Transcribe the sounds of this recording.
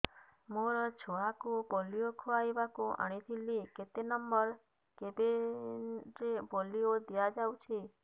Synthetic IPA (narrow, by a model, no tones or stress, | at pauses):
moɾɔt͡ʃʰoakupɔliokʰoajbakuʔə̰ɽ̃it̪ʰilːiket̪enəmbəɾ | kebe | d͡ʒebɔliod̪ijad͡ʒawt͡ʃʰi